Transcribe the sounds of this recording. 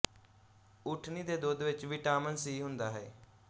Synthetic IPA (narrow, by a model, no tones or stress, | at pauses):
ʊʈʰniːd̪eːd̪oːd̪ʋɪt͡ʃʋɪʈaːmənsiːɦʊnd̪aːɦɛː